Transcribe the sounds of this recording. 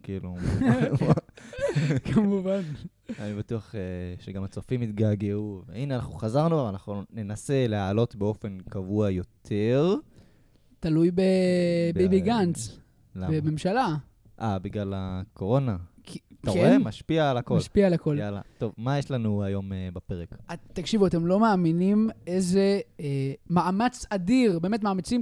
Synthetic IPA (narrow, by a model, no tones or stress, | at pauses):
kiːlu | kʰamuvan | anibat̪uaχeʃeɡamat͡sofimit̪ɡaːɡeuvḛineanaχnuχazaʁnubavanaχnune̞nase̞lehalo̞t̪beo̞fe̞nkavuajo̞t̪ʰe̞ʁ | t̪alujbebibiɡant͡s | lambeme̞mʃala | ʔabiɡlalako̞ʁonakitkaeemaʃpiaːlakomlʃpialako̞lala̰t̪o̞vmajeʃlanuajo̞mebape̞ʁekat̪ːakʃivuat̪e̞mlo̞maːminimeze̞ | maʔamat͡sadiʁbeːmetmaːmat͡sim